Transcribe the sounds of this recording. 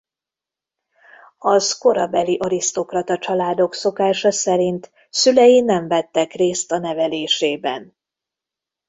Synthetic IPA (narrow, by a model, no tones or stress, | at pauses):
ɒsko̞ɾɒbɛliʔɒɾist̪o̞krɒt̪ɒt͡ʃɒlaːd̪o̞kso̞kaːʃɒsɛɾint̪ | sylɛjinɛɱvɛt̪ːɛkreːst̪ɒnɛvɛleːʃeːbɛ̰n